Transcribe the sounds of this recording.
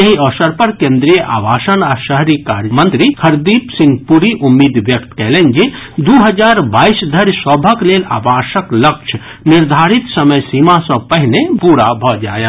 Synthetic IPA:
jəɦĩɔːsəɾpɐɾkẽːnd̪ɾijəʔa̰ːbaːʃənaʃəɦɾika̰ːɾjəmə̃nt̪ɾikʰɐɾd̪iːpsɪ̃ŋɡpuːɾiʔʊmːiːd̪ʋjək̚t̪kɛːlend͡ʒed̪uːɦəd͡ʒaːɾbaːisd̪ʱəɾjsɔbʱəkleːna̰ːbaːʃəkləkʃʰ | nɪɾd̪ʱaːɾit̪sɐməjsiːmasɔ̃pɛɦɪlepuːɾabʱɔd͡ʒa̰ːja

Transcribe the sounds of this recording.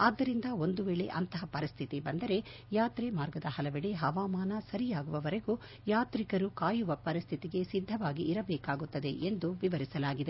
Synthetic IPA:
aːd̪ːɐɾind̪ɐo̞nd̪uʋɛːɭḛʔɐ̰nt̪ɐɦɐpɐɾist̪ʰit̪ibɐnd̪ɐɾe̞ | jaːt̪ɾemaːɾɡɐd̪ɐɦɐlɐʋɛɽeɦɐʋaːmaːnɐsɐɾijaːɡuʋɐʋɐɾeɡu | jaːt̪ɾikɐɾukaːjuʋɐpɐɾist̪ʰit̪iɡe̞sid̪ʱːɐʋaːɡiʔːɾɐbɛːkaːɡut̪ːɐd̪e̞ʔend̪uʋiʋɐɾisɐlaːɡid̪e

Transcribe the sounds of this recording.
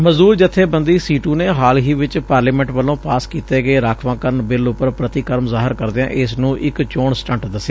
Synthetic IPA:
məzuːɾd͡ʒət̪ʰːeːbənd̪iːsiːʈũːneːɦaːlɦiːʋɪt͡ʃpaːɾleːmɛ̃ːɳʈʋəlõːpaːskiːt̪eːɡeːɾaːkʰʋãːkəɾənbɪlʊpːəɾpɾət̪ikəɾmzaːɦɪɾkəɾd̪eã̰ːʔɪsnũːʔɪkt͡ʃoːɳsʈə̃ɳʈd̪əsːe

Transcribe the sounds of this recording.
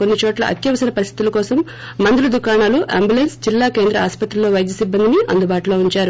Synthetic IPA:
ko̞nːit͡ʃɔːʈlɐ̰ʔɐ̰t̪jɐʋɐsɐnɐpɐɾist̪ʰit̪ulɐkɔːsɐmː | ɐnd̪ulɐd̪ukaːɳaːluʔa̰ːmbjulensd͡ʒilːaːke̞ːnd̪ɾɐaːspɐt̪ɾɐlːoːʋɐjd̪jɐsibːɐnd̪iniɐ̰nd̪ubaːʈulo̞ːuɲt͡ʃaːɾu

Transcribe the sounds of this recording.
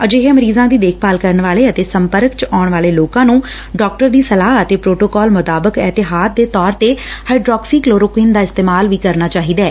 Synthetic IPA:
əd͡ʒeːɦẽːməɾiːzãːd̪iːd̪eːkʰpaːlkəɾəɳʋaːleːət̪eːsəmpəɾkt͡ʃaːɳʋaːleːloːkãːnũː | ɖɔːk̚ʈəɾd̪iːsəlaːɦət̪eːpɾoːʈoːkɔːlmʊt̪aːbəkɛːt̪ɪɦaːd̪d̪eːt̪ɔːɾt̪eːhaiɖɾɔːksiːkloːɾokiːnd̪aːɪst̪eːmaːlʋiːkəɾnaːt͡ʃaːɦiːd̪ɛː

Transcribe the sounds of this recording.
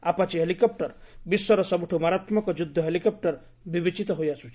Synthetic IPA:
apat͡ʃiɦelikɔp̚ʈɔɾbiswɔɾɔsɔbuʈʰumaɾat̪mɔkɔd͡ʒud̪ʱːɔɦelikɔp̚ʈɔɾ | bibit͡ʃit̪ɔɦojasʰut͡ʃ

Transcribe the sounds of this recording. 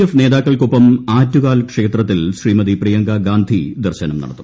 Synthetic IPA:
efne̞ːðaːkːɐɭkupːɐmaːtːukaːlkʂeːt̪rɐt̪ːilɕriːmɐðiprijɐŋɡɐɡaːnd̪ʱid̪ɐrɕɐnɐmnɐ̰ɽɐt̪ːum

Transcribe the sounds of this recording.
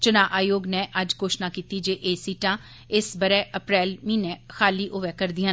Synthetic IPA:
t͡ʃʊnãːʔaːjoːɡnɛ̃ːʔəd͡ʒkoːʃnaːkiːt̪iːd͡ʒeːʔeːsiːʈãː | ɪsbəɾɛːʔəpɾɛːlmĩːnɛ̃ːxaːliːʔoʋɛːkəɾd̪ɪjãː

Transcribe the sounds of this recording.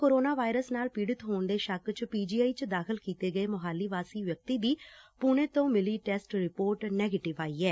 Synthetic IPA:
koːɾoːnaːʋaːɪɾəsnaːlpiːɽət̪ɦoːɳd̪eːʃəkt͡ʃpiːd͡ʒiːaːiːt͡ʃd̪aːkʰəlkiːt̪eːɡəeːməɦaːlːiːʋaːsiːʋjək̚t̪iːd̪iːpunẽːt̪õːmɪliːʈɛːsʈɾɪpoːɾʈnɛːɡeːʈɪʋaːiːɛː

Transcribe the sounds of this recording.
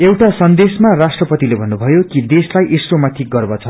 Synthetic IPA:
ewʈasʌnd̪esmarasʈrʌpʌt̪ilebʱʌnːubʱʌjokid̪eslajʔisromaʈ̪ʰik̚ɡʌrbʌt͡sʰʌ

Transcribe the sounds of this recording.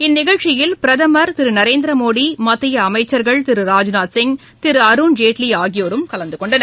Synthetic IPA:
ɪnːɪɣɐɻt͡ʃːɪjɪlpɪɾɐðɐmɐɾt̪ɪɾɯnɐɾeːnd̪ɾɐmoːɽimɐt̪ːɪjɐɐmɐɪt͡ʃːɐɾɣɐɭt̪ɪɾɯɾaːd͡ʒnaːt̪sɪŋ | t̪ɪɾɯɐɾuːnd͡ʒeːʈliaːɣɪjoːɾɯmkɐlɐnd̪ɯkɔɳɖɐnɐ

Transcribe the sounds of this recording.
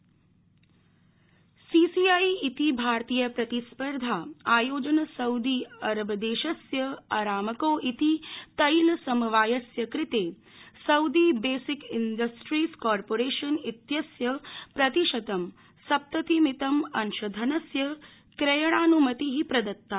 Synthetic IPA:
siːsiaːiit̪ibʱaːɾt̪iːjɐpɾɐt̪ispɐɾd̪ʱaːaːjoːd͡ʒɐnɐsɐwd̪iɐɾɐbɐd̪eːʃɐsjɐɐɾaːmɐkoːʔit̪it̪ɐjlɐsɐmɐʋaːjɐsjɐkɾit̪eː | sɐwd̪ibeːsikinɖɐsʈɾiːskɔːɾpoːɾeːʃɐnit̪jɐsjɐpɾɐt̪iʃɐt̪ɐm | sɐp̚t̪ɐt̪imit̪ɐmɐnʃɐd̪ʱɐnɐsjɐ | kɾejɐɽ̃aːnumɐt̪iɦipɾɐd̪ɐtt̪ːaː

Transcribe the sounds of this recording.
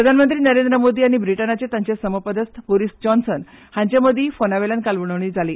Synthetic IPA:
ɾəd̪ʱanmənt̪ɾiːnəɾend̪ɾəmod̪iːaɽ̃ibɾiʈənat͡set̪aɲt͡ɕesəməpəd̪əst̪boɾisd͡ʑɔnsən | hãɲt͡ɕjaməd̪ʱiːfonaʋelənkalʋəɽ̃ɳəʋɳ̃iːd͡zʱaliː

